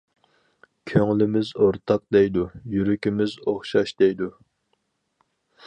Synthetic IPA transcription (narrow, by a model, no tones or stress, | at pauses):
kʲʰøŋlɪmɪzoɾt̪ʰɑq̚d̪ɛjd̪ujyɾykʲimɪzoχʃɑʃd̪̥ɛjd̪u